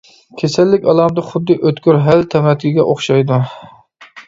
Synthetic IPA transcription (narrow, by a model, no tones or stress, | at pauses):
kʲʰesɛlːɪkʲɑlˠɑmd̪ɨχʊd̪ːɨʔøt̪kʲyɾɦælt̪ʰɛmɛt̪ʰkʲiɡʲɛʔoχʃɑjd̪u